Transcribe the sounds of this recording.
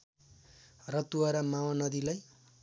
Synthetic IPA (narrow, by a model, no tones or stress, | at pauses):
rʌt̪uaɾʌmawanʌd̪ilaj